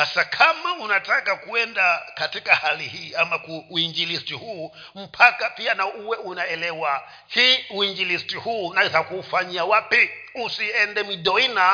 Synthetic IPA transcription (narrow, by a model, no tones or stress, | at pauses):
sasakʰamaunatakakuɛndakatikahalihiːamakuːiɲd͡ʒilistihuː | m̩pʰakapianauwɛunaɛlɛwa | hiuiɲd͡ʒilistihuːnaizakuːfaɲiawapi | usiɛndɛmiɗɔina